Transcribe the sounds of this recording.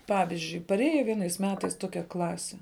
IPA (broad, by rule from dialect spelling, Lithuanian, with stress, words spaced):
ˈpɑːʋʲɪzʲd͡ʒʲʊɪ pɐˈrʲeːjɛ ˈʋʲiɛnɐɪs ˈmʲæːtɐɪs ˈtoːkʲɛ ˈklˠɑːsʲɪ